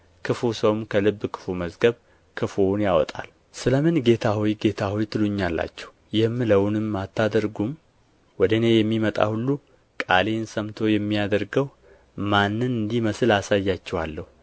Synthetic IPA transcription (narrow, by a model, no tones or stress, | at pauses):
kʰɨfusəwmkʰəlɨbːkʰɨ̥fuməzɡəβ | kʰɨfonjawɔt̪ʼa̰l | sɨləmɨnɡe̞t̪ʰahijɡe̞t̪ʰahɔjt̪ʰɨluɲːalːa̰t͡ʃːɛ̥w | jɛmːɨləwnɨmːat̪ːad̪əɾɡum | wɔd̪əne̞jɛmːimət̪ʼa̰hulːu | kʼalensəmt̪ʰo̞jɛmːijad̪əɾɡəw | manːɨnɨnd̪iməsɨlasajːat͡ʃːɛwalːəhu